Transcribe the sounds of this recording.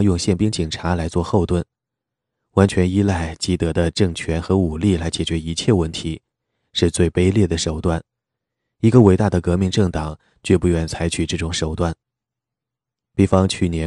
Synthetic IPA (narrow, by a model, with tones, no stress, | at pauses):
ŋjʊ˥˧ŋɕjɛ˥˩npi˥ŋt͡ɕi˨˩ŋʈ͡ʂʰa˧˥la˧˥ɪt͡swɔ˥˧xo˥˧ʊt̪wə˥˩n | wa˧˥nt͡ɕʰɥɛ˧˥ni˥la˥˩ɪt͡ɕi˧˥t̪ɤ˧˥d̪ə˧ʈ͡ʂɤ˥˩ŋt͡ɕʰɥɛ˧˥nxɤ˧˥u˨˩li˥˩la˧˥ɪt͡ɕjɛ˨˩t͡ɕɥɛ˧˥i˧˥t͡ɕʰjɛ˥˩˧wə˥˩nt̪ʰi˧˥ | ʂɻ̩˥˧t͡swe˥˩ɪpe˥ɪljɛ˥˩d̪ə˩ʂo˨˩ʊt̪wa˥˩n | i˧˥ɡə˧we˧˥ɪa˥˩d̪ə˩kɤ˧˥mi˧˥ŋʈ͡ʂɤ˥˩ŋt̪ɑ˨˩˦ŋ | t͡ɕɥɛ˥˧pu˥˧ɥɛ˥˩nt͡sʰa˧˥ɪt͡ɕʰy˨˩ʈ͡ʂɤ˥˩ʈ͡ʂʊ˨˥ŋʂo˨˩ʊt̪wa˥˩n | pi˥˩fɑ˥ŋt͡ɕʰy˥˩njɛ˧˥